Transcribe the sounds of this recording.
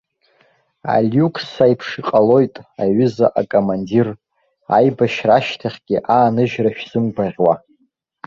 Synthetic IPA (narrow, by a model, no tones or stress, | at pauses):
a̰lʲjukʰʼsajpʰʂiqʼalo̞jtʼaɥʏzaʔakʼomandir | a̰jbaʃraʃtʰaχʲɡʲɪʔaːnɨʒᶣraʃᶣz̥ɨmɡʷaʁʲwa